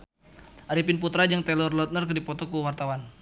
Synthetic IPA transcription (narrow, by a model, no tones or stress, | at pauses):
ʔaɾipinput̪ɾad͡ʒaŋt̪ɛlɔrlɔt̪̚nərkɨrdipɔt̪ɔkuwart̪awan